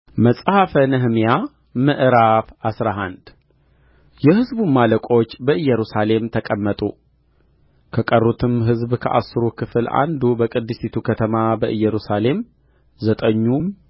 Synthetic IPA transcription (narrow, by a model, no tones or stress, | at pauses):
məsʼhafənɨɦmija | mɨʔɾafasɾaɦand̪ | jɛhɨzbumaləkʼo̞t͡ʃːbəɨjːɛɾusale̞mt̪ʰəkʼəmːət̪ʼṵ | kʰəkʼərːut̪ʰɨmɦɨzbkʰə̰ʔa̰sɨɾukʰɨfɨla̰nd̪ubəkʼɨd̪ːɨsit̪ʰukʰət̪ʰəmabəʔɨjɛɾusale̞m | zət̪ʼəɲːum